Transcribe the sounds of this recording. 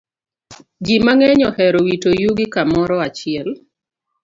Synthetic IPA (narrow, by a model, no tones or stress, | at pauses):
d͡ʒimaŋɛɲɔhɛɾowitojuɡɪkamɔɾɔat͡ʃɪɛl